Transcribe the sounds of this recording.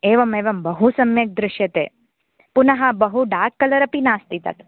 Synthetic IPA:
eːʋɐmeːʋɐmbɐɦusɐmjek̚d̪ɾɪʃjɐt̪ḛ | punaɦãbəɦuɖaːkɐlɐɾɐpinaːst̪it̪a̰t̪

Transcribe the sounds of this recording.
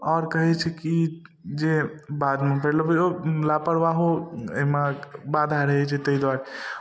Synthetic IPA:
ɔːɾkəɦɛt͡ʃʰɛki | d͡ʒebad̪mepʰəlobeolapəɽʋaɦoemabad̪ʱaɾəɦɛt͡ʃʰɛt̪əid̪waɾɛ

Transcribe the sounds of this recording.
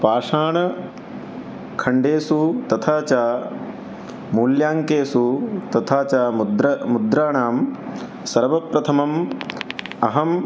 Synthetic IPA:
paːʂaːɳɐ | kʰɐɳɖeːsut̪ɐt̪ʰaːt͡ʃaː | muːljaːŋkeːsut̪ɐt̪ʰaːt͡ʃaːd̪ɾɐmud̪ɾaːɳaːm | sɐɾʋɐpɾɐt̪ʰɐmɐm | ɐɦɐm

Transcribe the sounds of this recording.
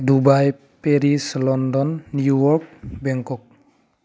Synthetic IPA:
dubaj | peɾislɔndɔnːiujɔk̚bɛŋkɔk̚

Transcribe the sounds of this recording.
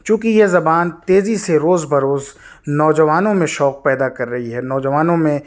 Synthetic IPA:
t͡ʃũːk̬ijezɐbaːnt̪eːziseɾoːzbɐɾoːznɔːd͡ʒɐʋaːnõmẽʃɔːq̚pɛːd̪akɐɾːɐɦiɦɛnɔːd͡ʒɐʋaːnõmẽ

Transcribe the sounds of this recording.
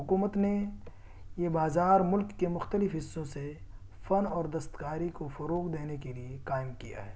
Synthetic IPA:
ɦʊkuːmət̪ne | jebaːzaːɾmʊlkːemʊxt̪əlɪfɦɪsːõse | fɐnɔːɾd̪ɐst̪kaːɾikofɐɾoːqd̪eːnekeliekaːɪmkija̰ɦɛː

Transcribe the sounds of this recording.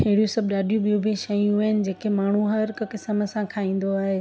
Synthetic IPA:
ɦeɽijosɐbɗaːɗijũbijũbiʃɐjũɪnɪ̆d͡ʑeːkemaːɳ̤uɦɐɾkkɪsəməsãkʰaːĩːn̆d̪oaːɦe

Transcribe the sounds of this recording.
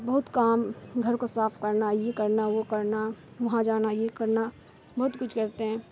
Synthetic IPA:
bɐɦʊt̪kaːmɡʱɐɾkosaːfʰkɐɾnajekɐɾnaʋokɐɾna | ʋɐɦãd͡ʒaːnajekɐɾna | bɐɦʊt̪kʊt͡ʃʰkɐɾt̪eɦɛ̃ː

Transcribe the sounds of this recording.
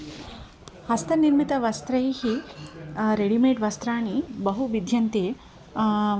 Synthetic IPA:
hɐst̪ɐniɾmit̪ɐʋɐst̪ɾɐjhi | ɾeɽimeːʈʋɐst̪ɾaːɳ̃ibɐɦuʋid̪ʱjɐnt̪eː

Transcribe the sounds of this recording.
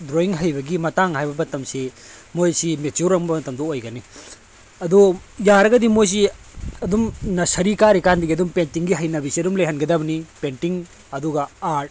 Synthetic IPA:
dɾoiŋɦɐjbɐɡimɐt̪aŋɦaːjbɐbɐt̪ːɐmsimojsimet͡ʃuɾːɐŋbɐbɐt̪ɐmd̪ɔojɡɐni | ɐd̪ujaɾɐɡɐd̪imojs̬i | ɐd̪umnɐsɐɾikaɾikand̪iɡiɐd̪umpentiŋɡiɦɐjnɐbisiɐdumleɦɐnɡɐd̪ɐbɐnipenʈiŋ | ɐd̪uɡɐaʈ

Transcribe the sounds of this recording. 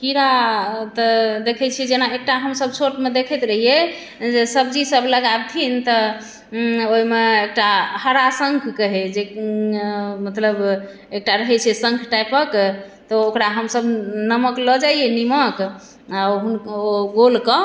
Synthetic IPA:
kiɾat̪ɔd̪ekʰɛt͡ʃʰid͡ʒenaek̚ʈaɦəmsəb̚t͡ʃʰoʈmed̪ekʰɛt̪ɾəɦije | d͡ʒesəbd͡ʒisəbləɡabt̪ʰint̪ɔ | oimeekʈahəɾasəŋkʰkəɦed͡ʒe | mət̪ləb | ek̚ʈaɾəɦɛt͡ʃʰɛsəŋkʰʈajpəkt̪ɔokɾaɦəmsəbnəməkləd͡ʒaienimək | aɦunoɡolkɔ

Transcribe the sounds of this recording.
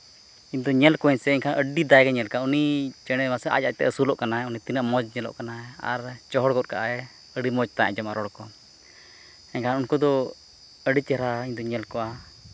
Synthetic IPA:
iɲd̪ɔɲɛlkɔɛɲsɛɛɲkʰanʔəɖid̪ajɡɛɲɛlkaunit͡ʃɛɽ̃ɛmasɛʔa̰cac̚t̪ɛ̰əsulɔʔkanaɛunit̪inəʔmɔd͡ʒɲɛlɔ̰ʔkanaa̰ɾt͡ʃɔɦɔɽɡɔt̪̚kaʔaɛ | əɖimɔd͡ʒt̪aaʔd͡ʒamaɾɔɽkɔ | ɛɲkʰanunkɔd̪ɔ | əɖit͡ʃɛɾaiɲd̪ɔɲɛlkɔa

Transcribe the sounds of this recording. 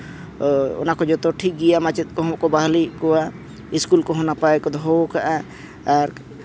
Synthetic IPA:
ʊ̰nakɔd͡ʒɔt̪ɔʈʰik̚ɡijamat͡ʃit̪̚kɔɦɔ̃kɔbaɦlikɔa | iskulkɔɦonapaekɔd̪ʱokaʔɛ | ɾ

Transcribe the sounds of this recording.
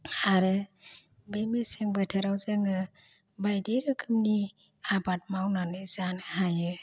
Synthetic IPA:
aɾɯ | bemeseŋbɯtʰaɾawzɯŋɯ | bajdiɾɯkʰɯmni | abat̚mawnanɯzanɦajɯ

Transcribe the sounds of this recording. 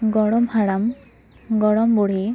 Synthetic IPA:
ɡɔɽɔmhaɽam | ɡɔɽɔmboɽ̤e

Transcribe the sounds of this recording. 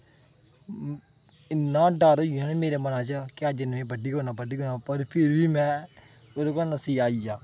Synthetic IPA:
ɪnːãːɖaːɾoːiãːneːmeːɾeːmənãːt͡ʃəkɪəd͡ʒɪnːẽːbəɖiːɦoːnaːbəɖiːɦoːnaːpəɾpʰɪɾʋiːmɛ̃ː | oːd̪okonəsiːaːijaː

